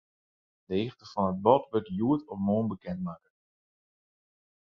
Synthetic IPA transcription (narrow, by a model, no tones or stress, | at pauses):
dəɪxtəfɔnət̚bɔtʋøtjuətʰɔfmoːnbəkɛntmaːkə